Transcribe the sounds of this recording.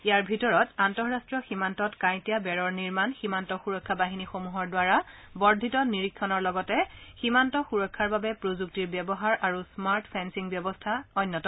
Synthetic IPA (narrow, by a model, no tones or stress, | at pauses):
ijaɹbʱitɔɹɔtantɔɹɹastɹɔximantɔtkãj̃tijabɛɹɔɹniɹmanximantɔxuɹɔkʰːabaɦinixomuɦɔɹdwaɹa | bɔɹdʱitɔniɹikʰːɔnɔɹlɔɡɔtɛximantɔxuɹɔkʰːaɹbabɛpɹozuk̚tiɹbjɛbɔɦaɹʔaɹusmaɹtpʰɛnsiŋbjɔbɔstʰaɔnːɔtɔ